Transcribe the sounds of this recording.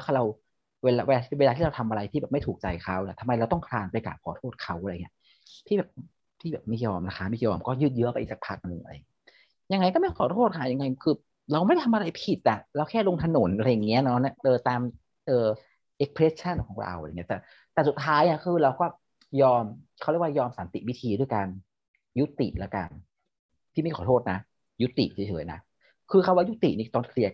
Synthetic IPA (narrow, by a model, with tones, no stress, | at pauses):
kʰa˥˩ɾa˧w | weː˧laː˧weː˧la˧˥˩weː˧laː˧iː˥˩a˧wt̪ʰa˧mʔa˧ɾa˧jt̪ʰiː˥˩bɛː˨˩ma˥˩jt̪ʰuː˨˩k̚t͡ɕa˧jkʰa˦˥wni˥˩t̪ʰa˧mːa˧jɾa˧wt̪ɔ˥˩ŋkʰɾaː˧npa˧jka̰ː˨˩kʰɔː˩˦t̪ʰoː˥˩t̪̚kʰa˦˥wʔa˨˧˨ŋi˦˥ɐ˥ | t̪ʰi˥bɛː˨˩p̚ | t̪ʰiː˥˩bɛː˨˩p̚ma˦˥˩jɔː˧mla˦˧kʰa˦˥˩ma˥˩jɔː˧mkɔː˥˩jɯː˥˩t̪̚jɯ˦˥ɐpa˧jʔ̚t͡ɕaː˨˩kpʰaː˦˥˩k̚nɯ˨˧˩ŋʔa˧ɾa̰˧jŋi˦˥ | ja˧ŋːa˧jkɔ˥˩ma˥˩kʰɔː˨˦t̪ʰoː˥˩t̪̚kʰaː˦˩ja˧ŋːa˧jkʰɯː˧ | ɾa˧wm˥˩jt̪ʰa˧mʔa˧ɾa˧jpʰi˨˩t̪̚ʔa˨˩lɛː˦˥wkʰɛː˥˩lo˧ŋt̪ʰa˧no˩˦nʔa˧ɾa˧jːa˨˩ŋːi˦˥ɐnɔ˦˥na˦˥˩ʔɤː˧t̪aː˧m | ʔɤː˨˩ | ʔe˦˥kpʰɾe˦˥t͡ɕʰa˥˩nkʰɔː˩˦ŋɾa̰˧wa˧˨ŋːi˦˥˩t̪ɛː˨˩ | t̪ɛː˨˩su˨˩t̪ʰːaː˦˥ja˧˥˩kʰɯː˧ɾa˧wkɔː˥˩ | jɔː˧mkʰa˧˩wɾwaː˥˩jɔː˧msa˨˦nt̪ḭ˨˩wi˦˥t̪ʰiː˧du˥˩əjkaː˧n | ju˦˥t̪ḭ˨˩lɛ˦˥ka̰˧n | t̪ʰiː˥˩ma˥˩kʰɔː˩˦oː˥˩t̪̚na˦˥ | ju˦˥t̪ːḭ˨˩ʔt͡ɕʰi˨˦t͡ɕʰɤː˩˦jna̰˦˥ | kʰɯː˧kʰa˧˩waː˥˩ju˦˥t̪ḭ˨˩ʔniː˧˩t̪ɔː˥˩nkʰli˧˥˩ək̚